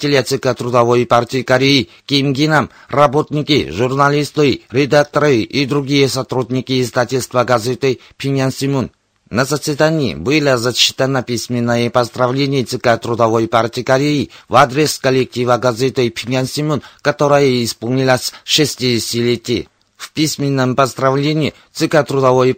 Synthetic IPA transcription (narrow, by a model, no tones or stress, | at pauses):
tʲelʲet̪sʲɨkat̪ɾud̪avojpartʲiikaɾʲeji | kʲemɡʲinam | rɐbot̪nʲikʲiʐurnalʲist̪ɨɾʲed̪ak̚t̪ɐɾɨʔid̪ɾuɡʲijesat̪ɾud̪ʲnʲikʲiːzd̪atʲɪlʲst̪vəɡazʲet̪ɨ | pʲʰɪnʲansʲimʲunː | ɐzɐsvʲɪd̪anʲijḭbɨlʲəzɐɕi̥t̪ənapʲisʲmʲɪnːəjepɐzd̪ɾavlʲenʲijet̪sɨkat̪ɾud̪ɐvo̞jpartʲikɐɾʲejivad̪ɾʲeskɐlʲek̚tʲivəɡazʲet̪ɨpʲʰinʲansʲimʲunkɐt̪o̞ɾəjəispolˠnʲilˠəsʲʂɨsʲtʲidʲsʲtʲilʲetʲij̰ | fpʲisʲmʲɪnːəmpɐzd̪ɾavlʲenʲii | t̪sɨkat̪ɾud̪ɐvoj